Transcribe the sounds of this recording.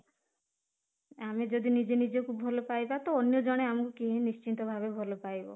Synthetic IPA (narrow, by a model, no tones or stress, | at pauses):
amed͡ʒod̪inid͡ʒenid͡ʒokubʱɔlopajbat̪oːnjod͡ʒɔɽ̃eamɔkukiɦĩnist͡ʃint̪ɔbʱabebʱɔlɔpajbɔ̰